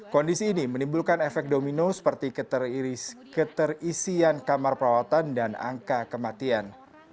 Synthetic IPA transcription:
kɔndisiːnimənimbulkanefɛk̚dominosə̥pərt̪ikə | kət̪ərisiankamarpəɾawat̪andana̰ŋkakəmat̪ian

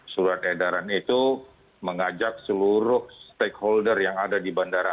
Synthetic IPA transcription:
suɾat̪edaɾanit̪u | məŋad͡ʒak̚səluɾʊhst̪ekholdərjaŋadadibandaɾa

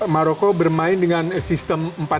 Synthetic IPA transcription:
maɾokobərmaɪndəŋansist̪əmmpa

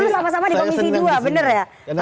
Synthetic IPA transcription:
musamas̬amadikomisiduabənərja

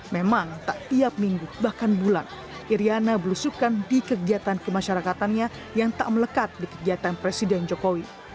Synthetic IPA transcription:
memaŋt̪aʔiap̚miŋɡubahkanbulan | ʔiɾianabəlusukandikəɡiat̪ankəmaʃaɾakat̪anɲa | jaŋt̪a̰ʔmələkat̪̚dikəɡiat̪anpɾesidɛnd͡ʒokowi

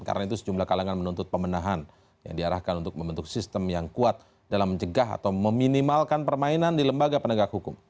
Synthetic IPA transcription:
ka̰ɾənait̪usə̥d͡ʒumlahkalaŋanmənunt̪ʊt̪̚pəmənaɦan | ja̰ŋdiaɾahkanunt̪ʊk̚məmbənt̪ʊksist̪əmjaŋkuat̪̚ | dalamːəɲt͡ʃəɡaɦa̰t̪awməminimalkanpərmainandiləmbaɡapənəɡakhukʊm

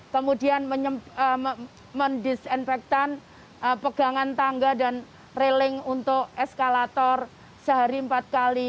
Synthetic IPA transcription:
kəmudianməə | məndisinfɛk̚t̪an | əpəɡ̥aŋant̪aŋɡadan | relɪŋunt̪ʊk̚ɛskalat̪ɔr | səɦaɾimpat̪̚kali

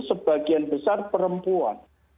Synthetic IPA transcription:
səb̥aɡ̥ianb̥əsarpəɾəmpua̰n

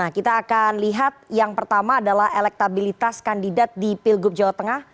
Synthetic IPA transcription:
ahkit̪aːkanliɦat̪̚jaŋpərt̪amaːdalahelɛk̚t̪abilit̪askandidat̪̚dipɪlɡʊp̚d͡ʒawat̪əŋah

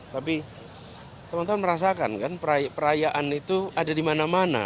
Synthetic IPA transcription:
t̪api | t̪əmant̪anməɾas̬aka̰nkanpəɾajapəɾajaʔanit̪uadadimanamana̰

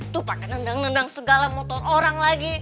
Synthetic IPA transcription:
t̪upakɛnəndaŋnəndaŋsəɡalamot̪ɔroɾaŋlaɡi

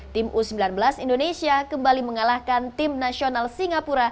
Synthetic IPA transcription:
t̪ɪmʔusəmbilanbəlasindonesiakəmbaliməŋalahkant̪ɪmnasionalsiŋapuɾa

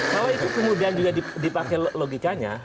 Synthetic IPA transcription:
kalwait̪ukəmudiand͡ʒuɡadidipakajloɡikaɲa̰

